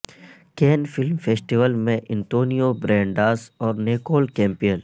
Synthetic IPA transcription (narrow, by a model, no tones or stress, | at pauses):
keːnfɪlmfeːsʈiʋəlmẽʔɪ̃nt̪oːnijobɾɛ̃ːɳɖaːsɔːɾneːkoːlkɛ̃ːmpijəl